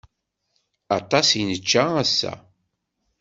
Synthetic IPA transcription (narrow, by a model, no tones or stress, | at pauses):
ɑt̪ˤɑsinət͡ʃːææsːæ̰